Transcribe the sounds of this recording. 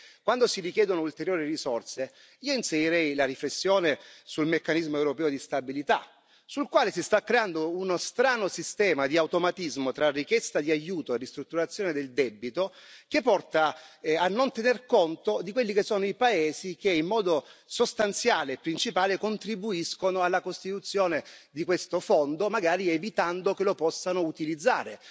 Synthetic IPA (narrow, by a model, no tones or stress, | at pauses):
kwand̪osirikjɛːd̪onoult̪eɾjoːɾirizɔrse | iːoinsejiɾɛjlaɾiflesːjoːnesulmekːanizmoewɾopɛːod̪ist̪abilit̪a | sulkwaːlesist̪akːɾeand̪ounost̪ɾaːnosist̪ɛːmad̪iawt̪omat̪izmot̪ɾarikjɛst̪ad̪iajuːt̪oerist̪ɾut̪ːuɾat̪sːjoːned̪eld̪ɛbːit̪okepːɔrt̪aanːont̪enerkont̪od̪ikwelːikesːoːnoipaeːzik̟eimːɔːd̪osost̪ant̪sjaːleːpːɾint͡ʃipaːlekont̪ɾibuiskonoalːakost̪it̪ut̪sːjoːned̪ikwest̪ofond̪omaɡaːɾievit̪and̪okelopɔsːanout̪ilid̪zːaːɾe